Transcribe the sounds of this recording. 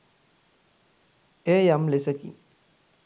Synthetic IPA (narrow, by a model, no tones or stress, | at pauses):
ejamlesəkḭn